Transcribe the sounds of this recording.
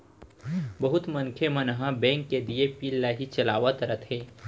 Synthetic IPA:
bəɦʊt̪mə̃nkʰemənɦãbɛ̃ːŋkːed̪iepiːlːaɦit͡ʃɐlaːʋət̪ɾət̪ʰɦẽː

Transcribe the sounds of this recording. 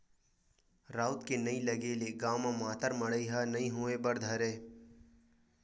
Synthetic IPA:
ɾaːʊt̪kenɐiləɡeːleɡaːwmãmaːt̪əɾmɐɽəiɦanɐĩɦuebɐɾd̪ʱɐɾeː

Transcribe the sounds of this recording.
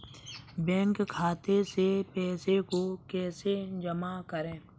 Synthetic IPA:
bɛ̃ːŋkkʰːaːt̪esepɛːsekokɛːsed͡ʒəmakəɾẽː

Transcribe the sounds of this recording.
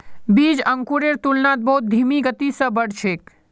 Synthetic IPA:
bid͡ʒəŋkuɾeɾt̪ulnat̪̚bəɦut̪̚d̪ʱimiɡət̪isə̃bəɽ̤t͡ʃʰek

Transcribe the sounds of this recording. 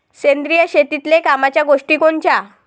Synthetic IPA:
sẽnd̪ɾijəɕet̪it̪lekamat͡ɕjaɡoʂʈikoɳt͡ɕa

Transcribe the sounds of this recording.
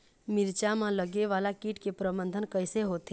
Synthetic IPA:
mɪɾt͡ʃamãləɡeʋaːlakiːʈkepɾəbə̃nd̪ʱənkəɪseɦoːt̪e

